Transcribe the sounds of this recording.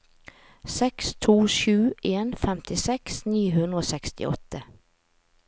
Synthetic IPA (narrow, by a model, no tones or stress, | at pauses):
sɛkst̪ʰuːʃʉːʔeːnfɛmt̪ʰɪsɛksniːɦʉnɾəoːsɛkst̪ɪ̰ʔɔ̰t̪ə